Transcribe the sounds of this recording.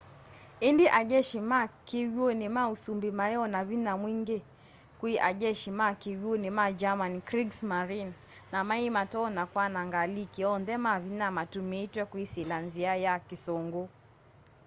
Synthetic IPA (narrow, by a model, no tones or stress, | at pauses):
indiʔaʄɛʃimakiwionimausumbimaɛɔnaβinamwiŋɡe | kwiʔaʄɛʃimakiwonimad͡ʒamankɾiɡsmaɾinː | amaimatɔnakwanaŋɡalikiɔndɛmaβinamatumeitwɛkwisilanziajakisɔŋɡo